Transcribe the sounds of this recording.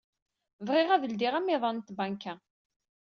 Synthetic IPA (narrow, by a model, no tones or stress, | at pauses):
vʁɪʁævəld̪iʁæmɪðˤɑnt̪bæŋkæ